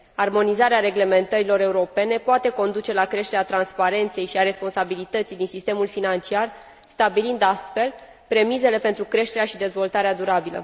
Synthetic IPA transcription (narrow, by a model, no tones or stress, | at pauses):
armo̞nizaɾeaɾe̞ɡle̞me̞nt̪əɾilo̞ɾe̞uɾo̞pe̞ne̞poat̪e̞ko̞nd̪ut͡ʃe̞lakɾe̞ʃt̪e̞ɾeat̪ɾanspaɾe̞nt̪se̞jʃiaɾe̞spo̞nsabilit̪ət̪sijd̪insist̪e̞mulfinant͡ʃiar | st̪abilind̪ast̪fe̞l | pɾe̞mize̞le̞pe̞nt̪ɾukɾe̞ʃt̪eɾeaʃid̪e̞zvo̞lt̪aɾead̪uɾabilə̰